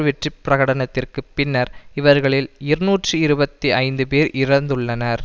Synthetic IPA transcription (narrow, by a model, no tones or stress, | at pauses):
ʋɛʈripːɪrɐɣɐɽɐnɐt̪ːɪrkɯpːɪnːɐɾɪʋɐɾɣɐɭɪlɪɾɯnuːʈrɯɪɾɯbɐt̪ːiɐɪnd̪ɯpeːɾʔɪɾɐnd̪ɯɭːɐnɐɾ